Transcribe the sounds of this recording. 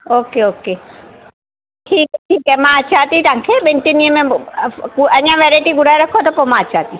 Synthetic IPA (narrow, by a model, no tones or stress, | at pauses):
oːkeoːke | ʈʰiːkɛʈʰiːkɛmãət͡ʃʰaːt̪it̪oãkʰeɓɪ̃nʈiniəmẽɡɐɲãʋeːɾaɪʈiɡʊɽaːiɾɐkʰot̪ɐpomãːət͡ʃaːt̪i